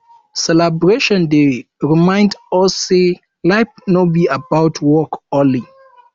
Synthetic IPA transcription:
sɛlabɹeʃɔ̃nde | ɹimãɪ̃ndɔse | laɪp̚nobiabaʊtʰwɔkɔ̃li

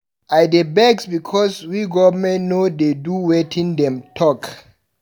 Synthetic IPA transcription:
ʔajdebɛɡsbikʰɔswiɡɔvəmɛ̃nnodeduwetʰĩnd̪ɛ̃mtʰɔk

